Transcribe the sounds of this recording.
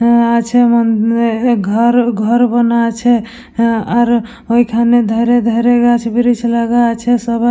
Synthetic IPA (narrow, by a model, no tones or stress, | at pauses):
at͡ʃʰɛmən | ɡʱəɾɡʱəɾbənat͡ʃʰɛ | aɾ | oɦikʰaned̪ʱəɾed̪ʱəɾeɡat͡ʃʰbiɾit͡ʃʰlaɡat͡ʃʰɛsəb